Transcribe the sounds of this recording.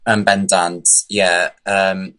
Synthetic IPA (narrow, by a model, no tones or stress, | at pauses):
əmbɛndandjɛəm